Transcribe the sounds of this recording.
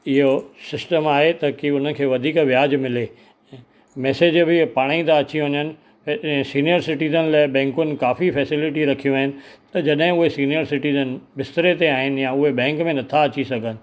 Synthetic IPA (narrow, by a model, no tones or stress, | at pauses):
ɪɦosɪsʈəmaːɦet̪ɐkiʊn̤ənkʰeːʋɐd̪ʱiːkʋɪjaːd͡ʑmɪlẽː | mɛːseːd͡ʑbɪpaːɽ̃ĩd̪aɐt͡ɕiɦʊ̃ɲənɪ̆̃ | siːnijəɾsɪʈiːzənlaːɪbɛ̃ːŋkʊnɪ̆kaːfifɛːsɪlɪʈiɾɐkʰijũaːɦɪnɪ̆t̪ɐd͡ʑɐɗɦɪ̃ʊɦesiːnijəɾsɪʈiːzənbɪst̪ɾet̪eaːɦɪnɪ̆jãʊɦeɓɛ̃ːŋkmẽnɐt̪ʰaɐt͡ɕisɐɡʱənɪ̆